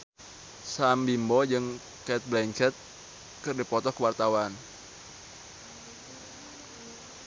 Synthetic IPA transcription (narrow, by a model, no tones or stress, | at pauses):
sambimbɔd͡ʒɨŋ | kɛt̪̚blɛŋt͡ʃɛt̪̚ | kɨrdipɔt̪ɔkəwart̪awan